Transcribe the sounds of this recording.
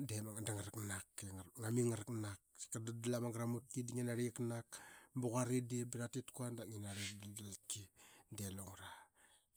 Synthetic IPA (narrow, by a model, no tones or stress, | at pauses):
demaŋandaŋaɾaknakːeŋamiŋaɾaknakkadadalamaŋɡɾamut̚kidiŋinaɾiknakbuɣaɾidibiɾatitkuandaŋinaɾiddalkideloŋɾa